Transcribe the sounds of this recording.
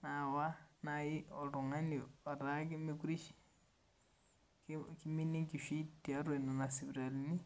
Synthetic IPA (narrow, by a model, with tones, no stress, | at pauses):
na˨wa˦naji˦o˨ɾu˨ŋa˦ni˨a˨ɾaki˦meku˦ɾi˦ʃi̥ | kkimi˦ni˦ŋki˨ʃi˦tia˦ɾwe˨nu˨na˨si˨βiɾa˨ɾini˦